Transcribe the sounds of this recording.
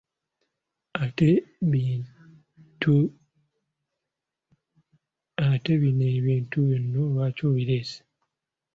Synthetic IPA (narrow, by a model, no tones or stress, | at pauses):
ateβi | tu | ateβineβiːntuβenːoβaːcoːβiɾeːse̥